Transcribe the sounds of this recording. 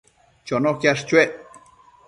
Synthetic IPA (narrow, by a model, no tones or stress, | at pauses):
t͡ʃonokʲaʂt͡ʃueʔ